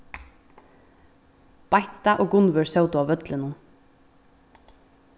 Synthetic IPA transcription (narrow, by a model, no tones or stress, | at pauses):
b̥aɪt̪aʔoːɡʊnʋʏɹsœwt̪ʊaːʋœt̪lɪnʊn